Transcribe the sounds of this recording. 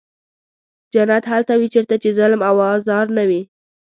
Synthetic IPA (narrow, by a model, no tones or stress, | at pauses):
d͡ʒanat̪ɦalt̪awit͡ʃeɾt̪at͡ʃezalmawɑzɑɾnawi